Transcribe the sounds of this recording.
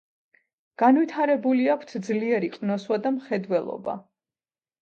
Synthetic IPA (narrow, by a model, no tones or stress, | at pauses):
ɡ̥anwit̪ʰaɾɛbuliakʷʰt̪ʰd̪zliɛɾiqʼnɔswad̪amχɛd̪wɛlˠɔ̰ba̰